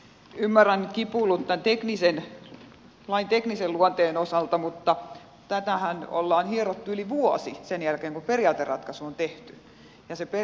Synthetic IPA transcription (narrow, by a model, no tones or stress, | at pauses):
ymːæræŋkipulːut̪t̪ænt̪eknisen | lɑint̪ekniselluɑnt̪eːnosɑlt̪ɑmut̪ːɑ | t̪æt̪æhæno̰lːɑːnhierot̪ːuyliʋuɔsisenjælkeːŋkuperiɑːt̪errɑ̰t̪kɑsuont̪eht̪y̥ | jɑsepe